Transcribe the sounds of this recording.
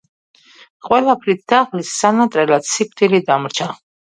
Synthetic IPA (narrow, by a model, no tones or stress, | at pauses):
qʼwɛlapʰɾit̪̚ʰd̪̥aʁlisːanat̪ʼɾɛlat̪sik̚ʷʰt̪ʼilid̪amɾt͡ʃʰa